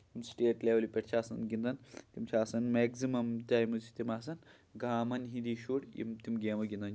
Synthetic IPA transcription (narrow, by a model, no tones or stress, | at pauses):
t̪imsʈeːʈleːʋlipeʈt͡ʃʰaːsɐnɡind̪ɐnt̪imt͡ʃʰaːsɐnmeɡzimɐmt̪ʲaːjmuzi̥t̪imaːs̬ɐn | ɡaːmɐnɦind̪iʃuːɽjḭmt̪imɡeːmɐɡʲind̪ɐn